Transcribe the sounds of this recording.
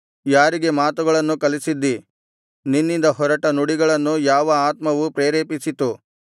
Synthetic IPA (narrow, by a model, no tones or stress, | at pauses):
jaːɾiɡe̞maːt̪uɡɐɭɐnːukɐlisid̪ːi | ninːind̪ɐɦɔɾɐʈɐnuɽiɡɐɭɐnːujaːʋɐaːt̪mɐʋupɾeːɾeːpisit̪u